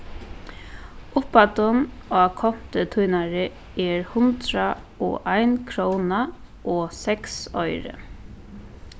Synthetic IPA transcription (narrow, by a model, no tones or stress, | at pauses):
ʊpat̪ʊnaːkʰɔm̥t̪ət̪ʰujnaɹɪ | ɛɹhʊnt̪ɾa | ɔ̰ʔajnkʰɾowna | ʔɔːsɛksɔʏɾə̰